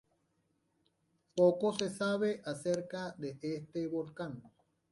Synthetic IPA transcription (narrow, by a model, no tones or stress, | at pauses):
pokosesaβeʔaseɾkad̪eʔest̪eβolkaŋ